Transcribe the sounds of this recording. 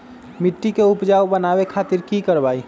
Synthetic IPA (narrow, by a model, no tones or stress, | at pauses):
mɪʈːikeʊpd͡ʒaobənabekʰaːt̪ɪɾkikəɾbaːi